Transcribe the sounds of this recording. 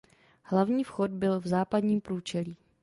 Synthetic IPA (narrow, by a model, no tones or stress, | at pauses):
hlavɲiːfxod̚bɪlvzaːpadɲiːmpɾuːt͡ʃɛliː